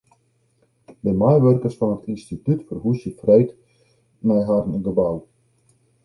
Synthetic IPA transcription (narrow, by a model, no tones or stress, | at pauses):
bəmajʋørkərsfɔnətinstitytfərɦusjəfrejt | mɛjɦarnɡəbaw